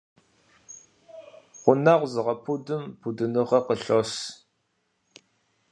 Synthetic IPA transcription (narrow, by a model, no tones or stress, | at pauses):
qʷʊnaʁʷzɨʁɐpʰudɨmpʰudɨnɨʁɐqəɬos